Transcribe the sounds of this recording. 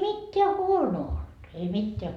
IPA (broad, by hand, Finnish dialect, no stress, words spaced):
mitːeæ huonoː old̥ ei mitːeæ